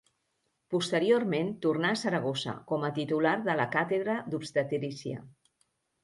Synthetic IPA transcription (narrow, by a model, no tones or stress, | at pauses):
pust̪əɾiorment̪urnaːsəɾəɣ̞ozə̰kɔmət̪it̪ulaɾðələkat̪eðɾəd̪upst̪ət̪eɾisiə̰